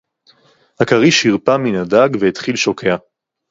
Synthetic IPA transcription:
hakaʁiʃhiʁpaminadaɡveit̪χilʃokʰea

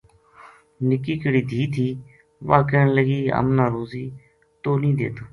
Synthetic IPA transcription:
nɪkiːkəɽiːd̪ʱiːt̪ʰiː | ʋaːkəəɳləɡiːə̰mnaːɾoːziː | t̪oːnĩːd̪ḛːt̪aː

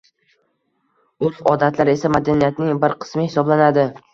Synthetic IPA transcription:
ʊɾfɒd̪at̪laɾe̞samad̪anijat̪nɪŋbɪɾqʰɨ̥smɪhɪsɒblanad̪ɪ

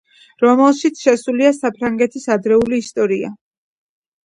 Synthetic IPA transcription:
ɾɔmɛlˠʃit̪sʰʃɛsuliasapʰɾaŋɡɛt̪ʰisad̪ɾɛuliːst̪ʼɔɾia̰

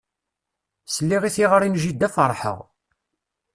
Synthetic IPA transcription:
səlːiʁiθiʁəɾinʒid̪ːæfəɾˤħə̰ʁ

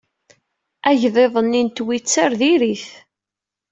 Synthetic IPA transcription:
æʝðˤeðˤənːint̪wit͡sːaɾðiɾiθ

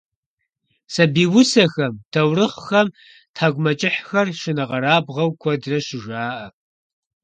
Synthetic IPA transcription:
sɐbiːwʊsɐxɐmtʰɐwrɨχʷxɐm | tʰaːɡʷmɐt͡ʃʼɪħxɐrʃɪnɨʁɐɾaːbʁɐwkʷʰɔdrɐʃɪʒʷaːʔɐ

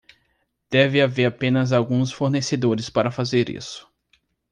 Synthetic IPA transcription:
d̪̥ɛvɪaveɾapẽnɐzawɡũsfoɾnesed̪oɾɪspaɾɐfazeɾḭsʊ̥

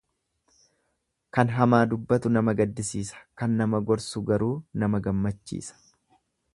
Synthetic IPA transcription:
kɐnɦɐmaːd̪ʊbːɐt̪ʊnɐmɐɡɐd̪ːɪsiːsɐ̥kɐnːɐmɐɡɔɾsʊɡɐɾuːnɐmɐɡɐmːɐt͡ʃːḭːsɐ̥

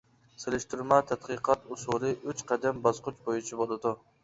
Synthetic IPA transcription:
selɪʃt̪yɾmɛt̪ʰæt̪̚qɨqʰɑt̪usulˠɨʔyt͡ʃqʰæd̪ɛmbɑzqʊt͡ʃbojit͡ʃʰibolˠɨd̪u

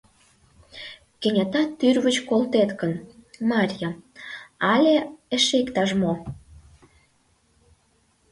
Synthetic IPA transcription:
kĕnʲɑt̪ɑt̪ːyrβət͡ɕkolt̪et̪kə̆nmɑɾʲjɑ | ɑlʲeə̆ʃekt̪ɑʃmo

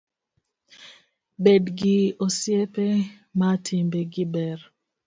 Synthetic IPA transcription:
bedɡiosjepe | matʰimbeɡɪbɛr

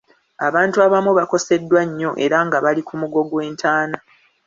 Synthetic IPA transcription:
aβaːntuaβamuβako̞se̞dːwaɲːo̞ʔe̞ɾaŋɡaβalikumuɡo̞ɡwe̞ːntʰaːna

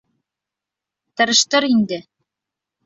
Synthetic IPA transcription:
t̪ɤ̆ɾɤ̆ʃt̪ɤɾind̪ɘ

